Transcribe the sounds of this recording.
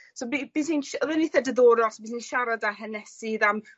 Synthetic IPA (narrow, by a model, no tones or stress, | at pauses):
sobib̥isinʃəðəniθɛdəðoːɾɔsbiːsinʃaɾadaɦənɛsiðam